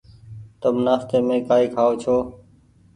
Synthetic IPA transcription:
t̪əmnaːft̪eːmẽːkaːiːkʰaːoːt͡ʃʰoː

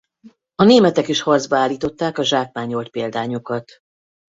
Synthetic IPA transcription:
ɒneːmɛt̪ɛkiʃhɒrd̪zbɒaːlːiːt̪o̞t̪ːaːkɒʒaːk̚maːɲo̞lt̪̚peːld̪aːɲokɒt̪

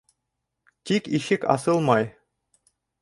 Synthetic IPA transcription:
tʲikiʃɘkɑ̰sɤlˠmɑj

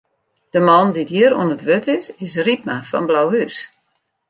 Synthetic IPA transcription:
d̥əmɔndidiəɾṵənətʋøtɪsɪsrip̚mafɔ̰nblawhys

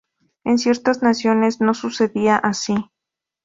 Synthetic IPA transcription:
ensje̞ɾt̪aznasjo̞ne̞zno̞suse̞ðiaʔasi

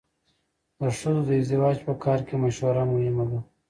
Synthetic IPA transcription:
d̪əʂəzod̪əɪzd̪ɪwɑːd͡ʒpəkʰɑːɾkemaʃwaɾamʊhɪmad̪a

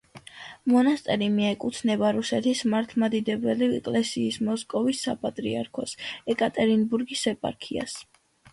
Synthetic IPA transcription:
mɔnast̪ʼɛɾimiɛkʼut̪ʰnɛbaɾusɛt̪ʰismaɾt̪ʰmad̪id̪ɛbɛliɛ̰kʼlɛsiːsmɔskʼɔvisːapʼat̪ʼɾḭaɾkʰɔsɛkʼat̪ʼɛɾinbuɾɡisɛpʼa̰ɾkʰia̰s

